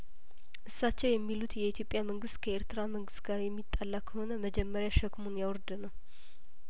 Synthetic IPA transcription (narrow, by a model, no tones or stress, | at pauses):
ʔɨsːat͡ʃːɛwjɛmːilut̪jɛit̪ʰjo̞pʼːjaməŋɡɨst̪kʰəeɾt̪ɨɾaməŋɡɨst̪ɡaɾjɛmːit̪ʼːalːakʰːəho̞nəməd͡ʒɛmːəɾjaʃəkmunjawɔɾd̪ɨnəw